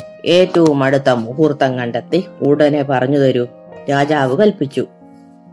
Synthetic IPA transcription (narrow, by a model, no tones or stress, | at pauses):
e̞ːtːɐʋumɐɽut̪ːɐmuɦurt̪ːɐŋkːɐɳɖɐt̪ːɨuɽɐne̞pɐrɐɲːuðoɾu | ɾaːd͡ʑaːʋɨkɐlpit͡ɕːu